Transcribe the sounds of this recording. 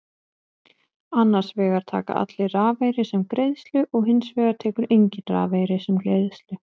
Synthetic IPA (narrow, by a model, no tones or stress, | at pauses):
anːaɾ̥svɛːɣaɾ̥t̪ʰa̰ːka̰ʔa̰t̪lɪraːvejɾɪsɛmkɾejðst̪lʏʔɔɣɦɪnsvɛːɣaɾ̥t̪ʰɛːkʏɾejɲcɪnra̰ːveːjɾɪsɛmklḛːjðst̪lʏ